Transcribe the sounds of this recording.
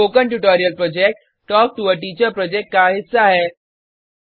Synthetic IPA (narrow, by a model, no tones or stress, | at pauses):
okəɳʈuʈɔɾijəlpɾɔd͡ʑek̚ʈ | ʈːɔk̚ʈ̪uʋəʈit͡ɕəpɾɔd͡ʑek̚ʈ̚kaɦit͡ssaɦe